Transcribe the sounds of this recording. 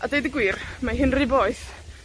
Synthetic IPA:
adejdəɡwiːrmaɦɪnrɪboːɨθ

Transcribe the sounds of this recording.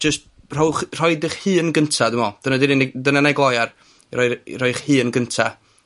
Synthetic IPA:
d͡ʒəst̚ | r̥ɔwχr̥ɔjdɪχhɨːənɡəntʰadɪmɔd̥ənadɪnindənanɛɡlˠɔjar | rɔjrɔjχhɨːənɡəntʰa

